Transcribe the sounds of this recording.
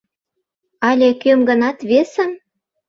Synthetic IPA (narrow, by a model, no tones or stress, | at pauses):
ɑlʲekømɡɤ̆nɑt̪βesə̆m